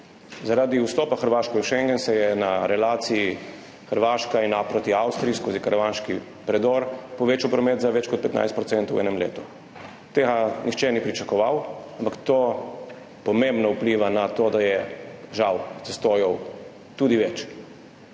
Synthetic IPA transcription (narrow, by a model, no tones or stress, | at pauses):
zaɾad̪iust̪oːpaxəɾʋaːʃkɛɛwʃɛŋɡɛnsɛjɛnaɾɛlaːt̪sii | xəɾʋaːʃkainapɾot̪iawst̪ɾiːskoːzikaɾʋanʃki | pɾɛd̪ɔɾpɔʋeːt͡ʃawpɾɔmet̪zaʋɛt͡ʃkɔt̪pɛt̪na̰jst̪̚pɾɔt̪sɛnt̪wʔɛ̰nɛmlḛːt̪u̥ | t̪eːɡanʔixt͡ʃɛnipɾit͡ʃakɔʋawampakt̪o | pɔmembnɔupliːʋanat̪od̪ajɛʒawt̪sɛst̪oːjɔw | t̪uːd̪iʋɛt͡ʃ